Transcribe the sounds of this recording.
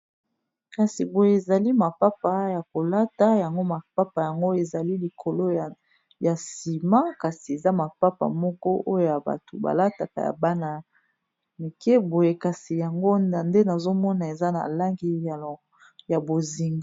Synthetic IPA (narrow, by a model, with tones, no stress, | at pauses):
ka˨si˨bo˨je˨e˨za˨li˦ma˨pa˦pa˨ja˨ko˨la˦ta˨ja˨ŋɡo˦ma˨pa˦pa˨ja˨ŋɡo˦e˨za˨li˦li˨kʰo˨lo˦˨ | ja˨si˨ma˦ka˨si˨e˨za˦ma˨pa˦pa̰˨mɔ˦kɔ˦ʔo˦jo˦ja˨ba̰˨to̰˨ba̰˨la˦ta˨ka̰˨ja̰˨ba˦na˨ | mi˨ke˦bo˨je˦ka˨si˨ja˨ŋɡo˦˨nde˦na˨zo˦mɔ˦na˨e˨za˦na̰˨la˦ŋɡi˦˨ | ja˨bo˨zi˨ŋɡ